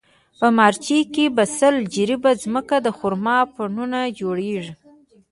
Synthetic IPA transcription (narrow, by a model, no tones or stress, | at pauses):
pəmɑɾt͡ʃikebasəld͡ʒiɾibazməkad̪əxuɾmɑpəɳunad͡ʒoɽeʐi